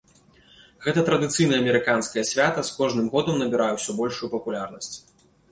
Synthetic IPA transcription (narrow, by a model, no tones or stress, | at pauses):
ɣɛt̪ɐt̪ɾɐd̪ɨt̪sɨjnɐjɐmʲɛɾɨkanskɐjɐsʲvʲat̪ɐskɔʐnɨmɣɔd̪ɐmnɐbʲiɾajɛwsʲɔbɔlʲʂujupɐpulʲarnɐsʲt͡sʲ